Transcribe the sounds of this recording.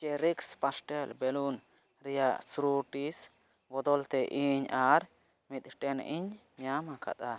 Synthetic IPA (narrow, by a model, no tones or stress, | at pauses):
t͡ʃɛɾikspasʈɛlbɛlun | ɾijasɾuʈis | bɔd̪ɔlt̪ɛʔiɲaɾ | mit̪ʈɛnḭɲmjamakʰa̰t̪a